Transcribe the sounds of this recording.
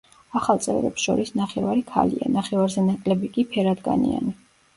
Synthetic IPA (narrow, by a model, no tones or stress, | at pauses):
aχalˠt̪sʼɛ̰vɾɛ̰psʃɔ̰ɾisnaχɛvaɾikʰa̰lḭa̰naχɛvaɾzɛnakʼlɛbikʼipʰɛɾad̪ɡa̰nḭa̰ni